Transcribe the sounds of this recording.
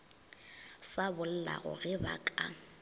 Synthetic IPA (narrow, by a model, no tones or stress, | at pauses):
sabʊl̩la̰ɣʊ̰ɣɪbakʼa